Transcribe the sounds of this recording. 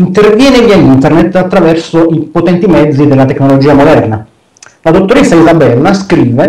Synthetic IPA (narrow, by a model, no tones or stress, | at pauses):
int̪ervjɛːneʎːaint̪ɛrnet̪ːat̪ːɾavɛrsoipot̪ɛnt̪imɛd̪zːid̪elːat̪eknolod͡ʒiːamod̪ɛrna | lad̪ot̪ːoɾesːaizabɛlːaskɾiːve